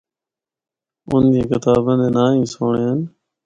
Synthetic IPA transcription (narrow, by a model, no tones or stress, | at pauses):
ʊnd̪ĩːkɪt̪aːbə̃nd̪eːnaːĩːsoːɳeːən